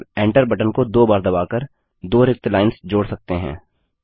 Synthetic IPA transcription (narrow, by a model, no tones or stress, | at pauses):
ɛ̃ːɳʈəɾbɐʈənkod̪oːbaːɾd̪ɐbaːkəɾ | d̪oːɾɪkt̪laːɪnsd͡ʒoːɽsɐk̚t̪eɦɛ̰̃ː